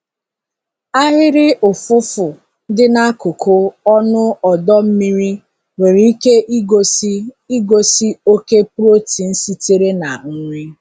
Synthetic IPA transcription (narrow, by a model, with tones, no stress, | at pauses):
a˦ɦɪ˦ɾɪ˦ʔʊ˨fʊ˦fʊ˨ | dɪ˦na˦kʊ˨kʰʊ˦ɔ˦nʊ˦ɔ˨dɔ˦m̩˦mi˦ɾi˦ | we˨ɾe˨˦i˦ke˦ʔɡ | i˦ɡo˨si˦o˦ke˦pɾo˦ti˨n̩˦si˦te˦ɾe˦na˨ŋ̩˦ŋʷi˦